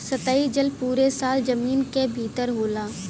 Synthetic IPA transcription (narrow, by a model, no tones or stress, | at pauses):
sɐt̪aːid͡ʒəlpuːɾesaːld͡ʒɐmiːnkebʱiːt̪əɾɦoːlaː